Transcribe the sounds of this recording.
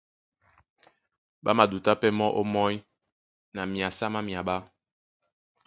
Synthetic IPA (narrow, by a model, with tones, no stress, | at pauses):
ɓa˦ma˨du˨ta˦pɛ˦mɔ˦ʔo˦mɔ˦j | na˨mi˨a˨sa˦ma˦mi˨a˨ɓa˦